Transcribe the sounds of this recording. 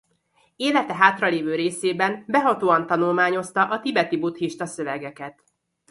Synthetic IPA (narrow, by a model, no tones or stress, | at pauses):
eːlɛt̪ɛɦaːt̪rɒleːvøːɾeːseːbɛnbɛɦɒt̪oːɒnt̪ɒnulmaːɲo̞st̪ɒʔɒt̪ibɛt̪ibut̪hiʃt̪ɒsøvɛɡɛkɛt̪